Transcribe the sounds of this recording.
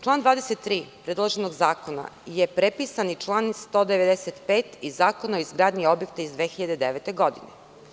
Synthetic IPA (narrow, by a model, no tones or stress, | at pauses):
t͡ʃlˠaːnd̪vaːd̪eset̪ːɾiːpɾed̪lˠoʒenoɡzaːkona̰jepɾepisanit͡ʃlˠaːnst̪od̪eʋed̪eset̪peːt̪izaːkonaoizɡɾaːd̪ɲio̞bjek̚t̪aizd̪ʋeːxiʎad̪ed̪eʋet̪e̞ɡod̪ḭne